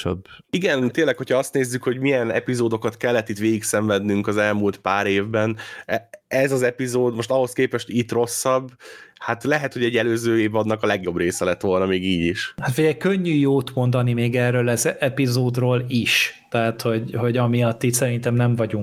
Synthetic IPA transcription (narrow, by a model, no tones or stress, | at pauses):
ø̰biɡɛnt̪eːnlːɛkhochɒɒst̪neːzːykho̞ɟmijɛnɛ̰pizoːd̪o̞kɒt̪kɛlːɛt̪ːit̪ʋeːɡiksɛɱvɛd̪nyŋkɒzɛlmuːlt̪paːɾeːvbɛnɛɛzɒzɛpizoːd̪mo̞ʃt̪ɒho̞skeːpɛʃt̪ʰit̪ro̞sːɒbːhat̪lɛɦɛt̪ho̞ɟɛɟːɛløːzøːeːvɒd̪ːɒkɒlɛɡjo̞breːsɛlɛt̪ʋo̞lnɒmeːɡiːɟiʃhat̪fiɟɛjkøɲːyjoːt̪mo̞nd̪ɒnimeːɡɛrøːlɛzɛpizoːd̪roːliʃt̪ɛɦat̪ho̞ɟɦo̞ɟɒmijɒt̪ːit̪sɛɾint̪ɛmnɛɱvɒɟuŋ